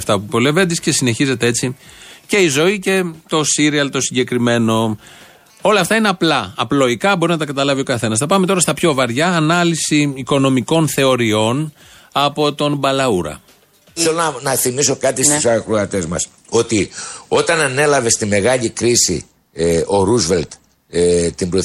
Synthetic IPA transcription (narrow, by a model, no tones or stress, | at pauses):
ft̪ɐpupo̞levend̪isce̞sine̞çize̞t̪ee̞t͡sice̞izo̞ice̞t̪o̞siɾiɐlt̪o̞siɲɟekɾime̞no̞ | o̞lɐːft̪ɐineɐplɐːplo̞ikɐbo̞ɾinɐt̪ɐkɐt̪ɐlɐvio̞kɐθe̞nɐsθɐpɐme̞t̪o̞ɾɐst̪ɐpço̞vɐɾʝɐːnɐlisiːko̞no̞miko̞nθe̞o̞ɾio̞n | ɐpo̞t̪o̞nbɐlɐuɾɐ̰ | θelonɐnɐθimiso̞kɐt̪ist̪sɐxɾuɐt̪e̞zmɐ̰s | o̞t̪io̞t̪ɐnɐne̞lɐve̞st̪ime̞ɣɐʎikɾisḭ | o̞ɾuzvelt̪ | t̪ibɾo